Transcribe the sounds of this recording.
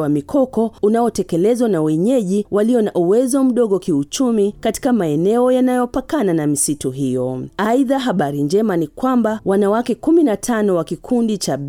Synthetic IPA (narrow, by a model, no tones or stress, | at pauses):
wamikʰɔkɔunaɔtɛkɛlɛzwanawɛɲɛʄiwaliɔnaʔuwɛzɔm̩ɗɔɠɔkiut͡ʃumikati̥kamaɛnɛɔjanajɔpakananamisituɦijɔ̰aiðaɦaɓaɾiɲd͡ʒɛmanikwambawanawakɛkuminatʰanɔwakikʰundit͡ʃaɓ